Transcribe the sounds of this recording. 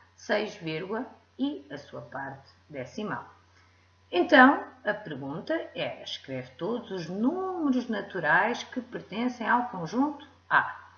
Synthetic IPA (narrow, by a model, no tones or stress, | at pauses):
sɐjʒveɾɣwɐ | iɐsuɐpaɾt̪ | d̪ɛsima̰w | ẽnt̪ɐ̃w̃ɐpɨɾɣũnt̪ɐɛʃkɾɛvt̪od̪uzuʒnumɨɾuʒnɐt̪uɾajʃkɨpɨɾt̪ẽsɐ̃j̃awkõʒũnt̪u̥a